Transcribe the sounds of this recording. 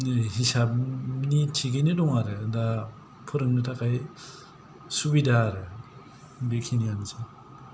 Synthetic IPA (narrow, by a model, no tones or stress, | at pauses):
ɦisap̚nitʰiɡejnɯdɔŋaɾɯda | pʰɯɾɯmnitʰakʰaj | subidaːɾɯ | bekʰinijanɯsa